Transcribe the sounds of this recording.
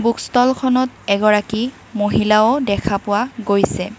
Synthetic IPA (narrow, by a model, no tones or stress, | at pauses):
bukstɔlkʰɔnɔt | ɛɡɔɹaki | moɦilaodɛkʰapʊwaɡojsɛ